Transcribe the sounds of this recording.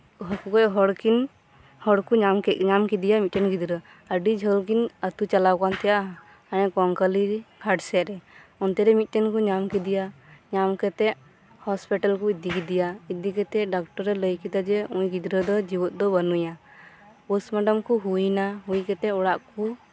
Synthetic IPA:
ɦɔkukɔɦɔɽkin | hɔɽkuɲamkɛɲamkid̪ijamit̪̚ɛnɡid̪ɾə | əɖid͡ʒʱəlkinət̪ut͡ʃalawkant̪ɛjaʔɦ | anɛkɔŋkəliɾɡʰʱaɖsɛɾɛɔnt̪ɛɾɛmit̪̚ˀt̪ɛnkuɲamkid̪ijaɲamkɛt̪ɛʔ | hɔspiʈalkuid̪ikid̪ijaid̪ikɛt̪ɛʔɖak̚ʈɔɾɛləjkid̪ad͡ʒɛũjɡid̪ɾəd̪ɔd͡ʒibɔt̪̚ˀd̪ɔbənuja | pusmaɖəmkuɦujnaɦujkɛt̪ɛʔɔɽaʔku

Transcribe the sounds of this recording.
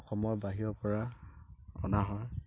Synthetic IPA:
ɔxɔmɔɹbaɦiɹɔpɔɹa | ɔ̰naɦɔj

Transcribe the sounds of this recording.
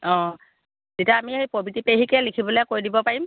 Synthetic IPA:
ɔ̃ | zitiaːmiejpobitipeɦikɛlikʰibɔlɛkoɹidibɔpaɹim

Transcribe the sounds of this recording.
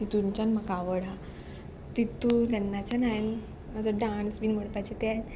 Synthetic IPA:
it̪uɲt͡ɕanmakaʋəɽa | t̪it̪ːut̪anːat͡ɕanajn | mad͡zaɖãnsbiːnm̤əɽpat͡ɕet̪an

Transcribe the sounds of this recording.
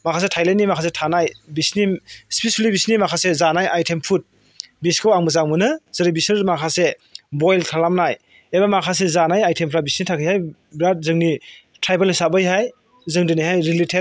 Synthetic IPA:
makʰas̬etʰajlenːimakʰasetʰanajbisnispisulibisnimakʰasezanajʔajtʰempʰut̚ | biskawaŋmɯzaŋmɯnɯzɯɾibisnɯmakʰasebojltʰalamnaj | ebamakʰas̬ezanajajtʰempʰɾabisnitʰakʰɯjhaj | bɾat̚zɯŋni | tʰɾajbelisabɯjɦaj | zɯŋdɯniɦhajɾiletʰe

